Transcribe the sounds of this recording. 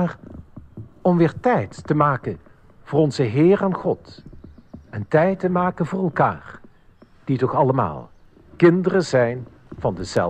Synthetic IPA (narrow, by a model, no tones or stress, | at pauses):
ar | ɔmʋɪːɹtɛjtːəmaːkən | v̥ʊːɹɔnzəɦɪːraːnχɔt | ɛntɛjtəmaːkənvʊːrɛlˠka̰ːr | d̥itɔχɑləma̰ːlˠ | kɪndərəzɛjn | v̥ɑndəzɛ̰l